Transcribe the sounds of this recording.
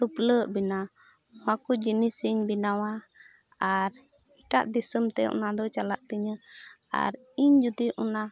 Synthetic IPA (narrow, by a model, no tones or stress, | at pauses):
ɾupləʔbina | wakud͡ʒinisiɲbinawa | aɾ | iʈa̰ʔd̪isəmt̪ɛɔ̰nad̪ɔt͡ʃalaʔt̪əɲə | a̰ɾ | iɲd͡ʒud̪iʔɔna